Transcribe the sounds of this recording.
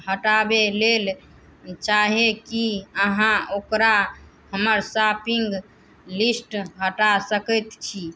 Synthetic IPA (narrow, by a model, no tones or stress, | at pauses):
ɦəʈabelel | t͡ʃaɦekiəɦãokɾa | həməɾsapiŋɡ | lisʈɦəʈasəkət̪t͡ʃʰi